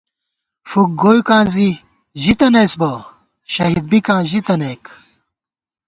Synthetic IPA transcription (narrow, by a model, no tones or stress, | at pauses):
ʂuk̚ɡoːjukãːzi | ʑit̪ɐnesbɐ | ɕɐɦid̪̚bikãːʑit̪ɐneːk